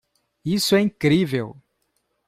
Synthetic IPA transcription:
isʊɛĩŋkɾivew

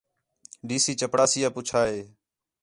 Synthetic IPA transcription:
ɖiːsiːt͡ʃəpɽaːsɪjaːpʊt͡ʃʰaːɦeː

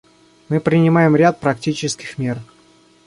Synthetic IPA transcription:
mɨpɾʲɪnʲɪmajɪmɾʲat̪̚pɾɐktʲit͡ɕɪskʲɪ̥xmʲe̞r

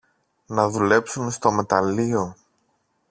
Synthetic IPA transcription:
nɐðule̞psunst̪o̞me̞t̪ɐlio̞

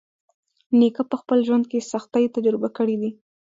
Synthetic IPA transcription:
nikapəxpəlʒwand̪̚kesaxt̪ajt̪ad͡ʒɾɪbakəɽid̪i

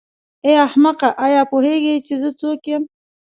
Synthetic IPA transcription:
eahmaqaʔajɑpoheɡet͡ʃezət͡sokjem

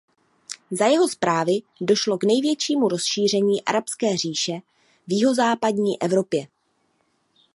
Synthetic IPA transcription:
zajɛɦo̞spɾaːvɪ | do̞ʃlo̞ɡnɛjvjɛt͡ʃiːmuɾo̞sʃiːr̝ɛɲiːʔa̰ɾapskɛːr̝iːʃɛ | vjɪɦo̞zaːpadɲiːʔɛvɾo̞pjɛ

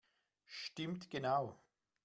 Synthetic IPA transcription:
ʃtɪmtɡ̥ənaʊ

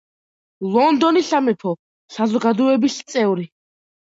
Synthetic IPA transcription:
lˠɔnd̪ɔniɬamɛpʰɔ | sazɔɡad̪uɛbiɬt̪sʼɛwɾi

